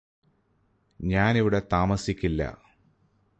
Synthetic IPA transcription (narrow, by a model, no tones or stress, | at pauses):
ɲaːniʋiɽe̞t̪aːmɐsikʲːilːɐ̰